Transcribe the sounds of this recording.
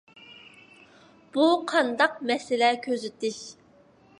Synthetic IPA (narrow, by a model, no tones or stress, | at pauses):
b̥uqʰɑnd̪ɑq̚mɛsɪlɛkʲʰøzɪt̪ɪʃ